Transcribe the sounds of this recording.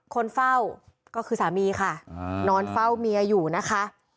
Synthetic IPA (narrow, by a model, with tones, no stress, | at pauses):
kʰo˧nfa˥˩w | kɔː˥˩kʰɯː˧saː˨˩˦miː˧kʰa˥˩nɔː˧nfa˥˩wmiː˧ʔaː˧juː˨˩na˦˥kʰa˦˥ʔ